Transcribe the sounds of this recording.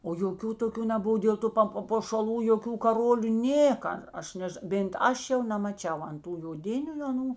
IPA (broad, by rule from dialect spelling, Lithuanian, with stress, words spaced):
oː joːˈkʲuː toːˈkʲuː nʲɛˈbʊʋoː dʲeːlˠ ˈtʊ pɐ pɐpoːʃɐˈlˠuː joːˈkʲuː kɐˈroːlʲuː ˈnʲeːkɐ ˈɐʃ ˈnʲɛʃ bʲeːnt ˈɐʃ jɛʊ nʲɛmɐˈt͡ʃʲɛʊ ɐn ˈtuː joːˈdʲɪnʲʊ ɐˈnuː